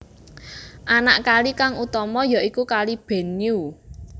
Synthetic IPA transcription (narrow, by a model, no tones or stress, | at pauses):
ʔanaʔkalikaŋut̪ɔmɔjɔikukalib̥e̤niu